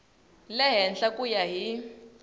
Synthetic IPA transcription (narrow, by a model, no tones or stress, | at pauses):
lɛɦɛnɬakʼujaɦi